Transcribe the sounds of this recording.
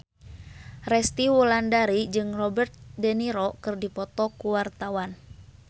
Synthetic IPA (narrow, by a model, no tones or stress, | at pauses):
rɛst̪iwulandaɾid͡ʒɨŋrɔbərt̪̚dɛniɾɔkɨrdipɔt̪ɔkuwart̪awan